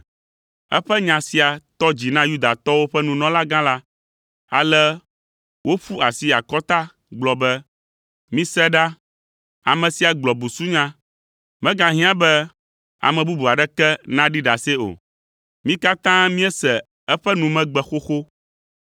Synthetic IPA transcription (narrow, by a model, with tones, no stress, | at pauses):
ɛ̰˦ɸɛ˦ɲã˨si˨a˨t̪ɔ˦d͡ʑi˨nã˦ju˦d̪a˨t̪ɔ˦wo˦ɸɛ˦nũ˨nɔ̃˦la˦ɡã˦la˦ | a̰˨lɛ˦ | wʔo˦ɸu˦a˨si˦a˨kɔ˦t̪a˦ | ɡ͡blɔ˨bɛ˦ | mĩ˦sɛ˦ɖa˦ | a̰˨mɛ̃˨si˨a˨ɡ͡blɔ˨bu˨su˦ɲã˦ | mɛ̃˦ɡã˨ɦĩ˦ã˦bɛ˦ | a̰˨mɛ̃˨bu˦bu˨a˨ɖɛ˦kɛ˦nã˦ɖi˦ɖa˨sɛ˦o̰˨ | mĩ˦ka˦t̪ã˦mĩ˦ɛ˦sɛ˨ | ɛ˦ɸɛ˦nũ˨mɛ̃˦ɡ͡bɛ˨xo˦xo˦